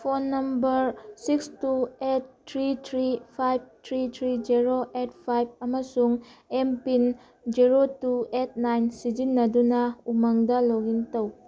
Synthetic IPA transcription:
pʰonːɐmbɐɾsikstuet̚ːʰɾitʰɾipʰajb̚tʰɾitʰɾid͡ʒiɾoʔet̚pʰajb̚ɐmɐsuŋempin | d͡ʒiɾotuet̚najnsid͡ʒinːɐdunɐumɐŋdɐloɡintɐw

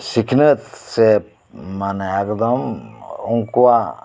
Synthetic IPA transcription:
sikʰnət̪se | maneɛkd̪ɔmuŋkua

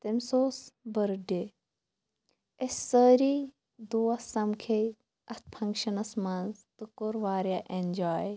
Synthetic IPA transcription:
t̪emʲsoːsbəɾɖe | essəɾiː | d̪uːɐsɐmkʰe | ɐt̪̚ʰpʰɐŋkʃɐnɐsmanzt̪ɨkoɾʋaːɾjaʔend͡ʒaːj

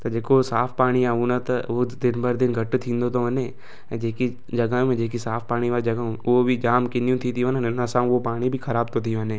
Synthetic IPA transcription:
t̪ɐd͡ʒeːkosaːpʰpaːɽ̃iaːũnat̪ɐod̪ɪnbɐɾd̪ɪnɡʱɐʈt̪ʰĩːnd̪ot̪ʰoɐnẽː | d͡ʒeːki | d͡ʒɐɡaːjũmẽd͡ʒeːk̬isaːfʰpaːɽ̃iʋaːld͡ʒɐɡaũʊobʱid͡ʒaːmkɪnijũt̪ʰit̪ʰijũɦənənnəsãːopaːɽ̃ibʱikʰɐɾaːb̚t̪ʰot̪ʰiũɦɐnẽː

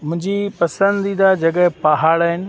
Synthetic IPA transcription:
mʊ̃ɦɪ̃ɲd͡ʑipɐsə̃nd̪id̪ad͡ʑɐɠɛɦpaɦaːɭaːɦɪnɪ̆

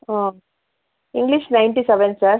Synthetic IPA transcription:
ãː | ɪŋɡliʃnaɪ̃ɳʈisɛʋɛnsaːɾ

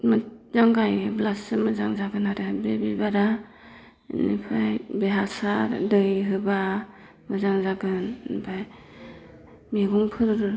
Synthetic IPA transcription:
mzaŋɡajblasɯmɯzaŋzaɡɯnaɾebebibaɾa | nḭpʰajbeɦasaɾdɯjɦɯba | mɯzaŋzaɡɯnbʰaj | miɡuŋpʰɯɾɾɯ

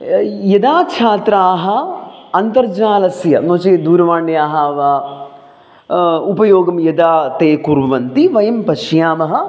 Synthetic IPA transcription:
jɐd̪aːkʃʰaːt̪ɾaːɦɐ̆ɐnt̪ɐɾd͡ʒaːlɐsjɐnoːt͡ʃed̪uːɾɐʋaːɳɖjaːɦaːʋaː | upɐjoːɡɐmjɐd̪aːt̪eːkuɾʋʋɐnt̪iʋɐjɐmpɐʃjaːmɐɦɐ̆

